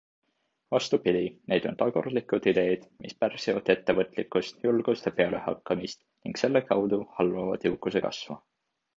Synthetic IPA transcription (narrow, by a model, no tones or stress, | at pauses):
vɑst̪upid̪̥ine̞jd̪̥o̞nt̪ɑɡord̪likːˑud̪̥id̪̥e̞jd̪̥mʔispærsivɑd̪̥e̞t̪ːevɤt̪ˑlikːˑust̪julɡ̥ust̪jɑpe̞ɑle̞hɑ̰kːˑɑmist̪ | niŋɡ̥se̞lːe̞kɑwd̪uhɑlːovɑ̰d̪̥jiwkːˑuse̞kɑ̰svɑ̰